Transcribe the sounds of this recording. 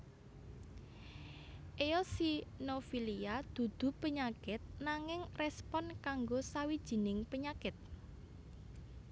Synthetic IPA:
ʔejɔsinofiliad̪̥ṳd̪̥ṳpəɲakɪt̪̚naŋɪŋrɛspɔnkaŋɡosawid̥ʒ̥i̤nɪŋpəɲakɪt̪̚

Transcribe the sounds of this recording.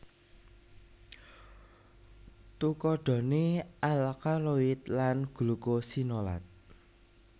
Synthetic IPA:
t̪ukɔɖ̥ɔ̤neʔalkaloɪt̪lanɡ̥ṳlukosinola̰t̪̚

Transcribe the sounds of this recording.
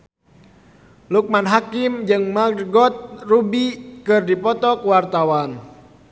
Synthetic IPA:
luk̚manɦakimd͡ʒɨŋmaɡɔt̪̚rubikɨrdipɔt̪ɔkwart̪awan

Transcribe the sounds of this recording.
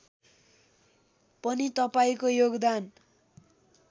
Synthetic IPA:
pʌnit̪ʌpaĩkojoɡd̪an

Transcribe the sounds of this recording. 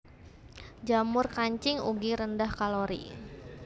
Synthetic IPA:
d͡ʒamʊrkaɲt͡ʃɪŋṵɡiɾəndahkaloɾḭ

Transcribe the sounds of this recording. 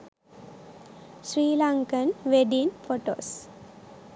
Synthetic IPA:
sɾiːlaŋkənʋeɖinfoʈo̰ːs

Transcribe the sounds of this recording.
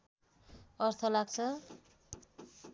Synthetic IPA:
ʌrt̪ʰʌlaɡt͡sʰʌ

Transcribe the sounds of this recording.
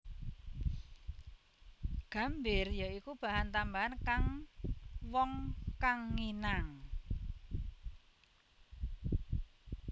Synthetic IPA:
ɡ̥a̤mbɪrjaikub̥a̤ɦant̪ambaɦankaŋ | wɔŋkaŋːinaŋ

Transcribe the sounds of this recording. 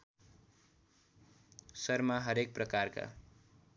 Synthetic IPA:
sʌrmaɦʌɾek̚prʌkarka̰

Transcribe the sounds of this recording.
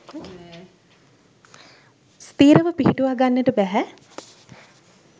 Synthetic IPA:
st̪iːɾəʋəpiɦiʈuʋaɡanːeʈəbæɦæ

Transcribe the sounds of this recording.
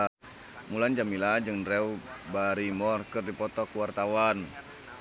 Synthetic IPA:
muland͡ʒamilad͡ʒɨŋɾɛw | baɾimɔrkɨrdipɔt̪ɔkuwart̪awan

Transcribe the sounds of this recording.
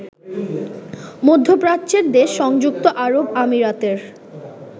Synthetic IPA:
mod̪ʱːopɾat͡ɕeɾd̪eʃːɔŋd͡ʑuk̚t̪oʔaɾobamiɾat̪eɾ

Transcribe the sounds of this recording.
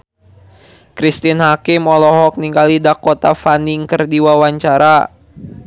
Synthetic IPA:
kɾist̪inhakɪmɔlɔɦɔk̚niŋɡalidakot̪afaniŋkərdiwawaɲt͡ʃaɾa

